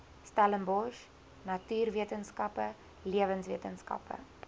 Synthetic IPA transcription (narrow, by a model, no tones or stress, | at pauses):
stæləmbɔʃ | nɐtyːrviətənskɐpə | liəvənsviətənskɐ̰pə̰